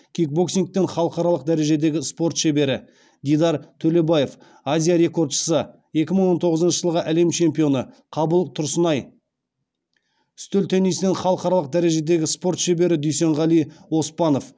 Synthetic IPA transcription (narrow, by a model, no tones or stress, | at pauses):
kʲʰik̚bo̞ksiŋk̚t̪ːeɴχɑlˠəqɑɾɑlˠəq̚d̪æɾe̞ʒe̞d̪e̞ɡʲɪspo̞ɾt̪ʃebe̞ɾɪ | d̪ijd̪ɑɾt̪ʰɵle̞baje̞f | azʲijaɾe̞ko̞rd̪ʃə̥sə | je̞kʲɪməɴwo̞nt̪ʰo̞ʁəzənʃəʒəlˠʁəʔæle̞mt͡ʃʰe̞mpijo̞nə | qʰɑbəlˠt̪ʰʊɾsənɑj | ʏ̥st̪ɵlt̪ʰænesɪneɴχɑlˠəqɑɾɑlˠəq̚d̪æɾe̞ʒe̞d̪e̞ɡʲɪspo̞ɾt̪ʃebe̞ɾɪd̪ɵjse̞ɴʁɑlˠijwo̞spɑno̞f